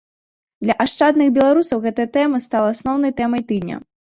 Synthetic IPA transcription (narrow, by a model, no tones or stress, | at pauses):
d̪lʲɐʔaʂt͡ʂad̪nɨxbʲɛlˠaɾusɐwɣɛt̪ɐjɐt̪ɛmɐst̪alˠɐasnɔwnɐjt̪ɛmɐjt̪ɨd̪ʲnʲɐ̰